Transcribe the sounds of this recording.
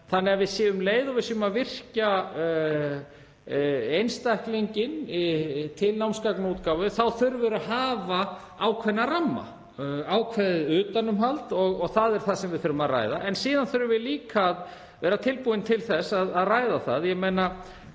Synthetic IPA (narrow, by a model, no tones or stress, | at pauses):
θanːɛɣavɪðsjɛːvʏmleːjðɔvɪsjʏmaðvɪr̥ca | ejnst̪ajhkliɲcɪn | t̪ʰɪlnawmskaknuːt̪kawvʏθawθʏɾvɪɾaɦaːva | awkʰvɛnːaramːa̰ | aːwkʰvɛðɪʏːt̪anːʏmɦalt̪ɔɣɔɣθaðɛɾ̥θaðsɛmvɪðθʏɾʏmaðra̰ːjða̰ʔɛnsiːðanθʏɾʏmvɪðliːkʰað | vɛːɾat̪ʰɪlpuːɪnt̪ʰɪlθɛsaðaðraːjðaθa̰ðjɛɣmejna